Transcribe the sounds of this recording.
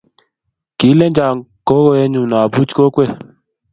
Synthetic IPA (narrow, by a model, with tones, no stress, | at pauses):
ki˨˦le˦d͡ʒa˨ko˦ɣo˧˦je˧ɲũ˨nɔ˨a˨bu˦t͡ʃi̥˦ko˦kʷe˦˨